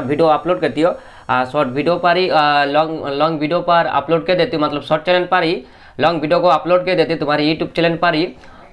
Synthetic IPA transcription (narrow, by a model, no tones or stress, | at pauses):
ʈbʱiɖioaploɖket̪ijɔ | asɔʈ̚bʱiɖiopaɾilɔŋlɔŋbʱiɖiopaɾa̰ploɖked̪et̪imɔt̪lɔbsɔʈ̚t͡ʃeleɳʈ̚paɾi | lɔŋɡbʱiɖiokoaploɖ̚ked̪et̪it̪umaɾejuʈjub̚t͡ʃɛleɳʈ̚paɾi